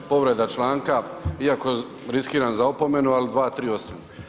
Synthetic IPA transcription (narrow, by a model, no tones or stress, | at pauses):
po̞ʋɾe̞d̪at͡ʃlˠaːŋkaiako̞ | ɾiskiːɾanzaopo̞me̞nualid̪ʋaːt̪ɾiːo̞sam